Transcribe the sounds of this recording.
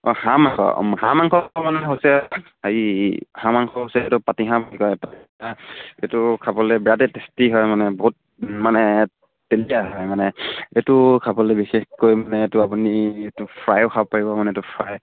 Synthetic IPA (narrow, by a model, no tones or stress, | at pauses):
ɔhamaŋkʰɔ̰hãmaŋkɔmanɛɦosɛ | aɹihãmaŋkʰɔɦosɛtʊpatiɦãbanikɔjpatiaḛtʊkʰabɔlɛbiɹatɛtestiɦɔjmanɛbɔɦut̚ | manɛ | telijaɦɔjmanɛetʊkʰabɔlɛbixexkojmanɛːtʊapunietʊpʰɹajʊkʰabɔpaɹibɔmanɛtʊpʰɹaj